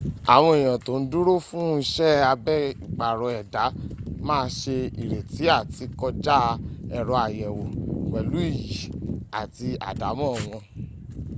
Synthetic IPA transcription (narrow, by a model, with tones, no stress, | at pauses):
a̰˨w̃ɔ̃˧i˨j̃ã˨to˨˦n̩˦du˦ɾo˦fũ˦i˧ʃɛ˦a˧bɛ˦i˨k͡pa˨ɾɔ˨˧ɛ˨da˨˦mãː˦˧ʃe˧ḭ˨ɾe˨ti˨˦a˦˨ti˧kɔ˧d͡ʒa˦ɛ˨ɾɔ˧a˨jɛ˨wo˨k͡pɛ˨lu˨˦i˦˨ji˨˦a˨ti˧a̰˨da˨˦mɔ̃˦˨w̃ɔ̃˧